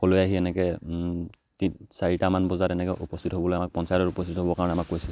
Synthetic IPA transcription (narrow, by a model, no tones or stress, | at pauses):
kɔlojaɦiɛnɛkɛ | tisaɹitamanbɔzaɹɛnɛkɛʔupɔstʰitɦobɔlojamak̚pɔnsajɔɾɔtupɔstʰitɦobɔkaɹɔnɛamakːojsɛ